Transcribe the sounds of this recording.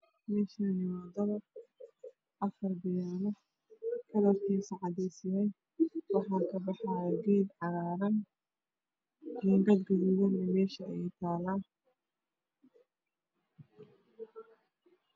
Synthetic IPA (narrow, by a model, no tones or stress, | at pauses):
mɛːʃaːnɪwɑd̪ɐβɐr | ʔɐfɐrbɪjaːnɐ | kʰɐðɐrk̪ʰiːsɑʕɑðɛjsɪjɛj | wɑħɑːkʰɐbɑħɑːɡɛːd̪ʕɑɣaːɾɐn | ɛːŋɡɐd̪ɡɐðʊwɐnɛmɛːʃɐɛjt̪ʰaːlaː